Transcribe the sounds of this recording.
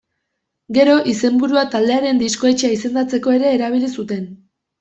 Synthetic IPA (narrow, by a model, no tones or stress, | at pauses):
ɡe̞ɾo̞ʔise̞mbuɾuat̪ald̪e̞aɾe̞nd̪isko̞e̞t͡ʃeaise̞nd̪at͡se̞ko̞e̞ɾe̞ːɾaβ̞ilisut̪e̞n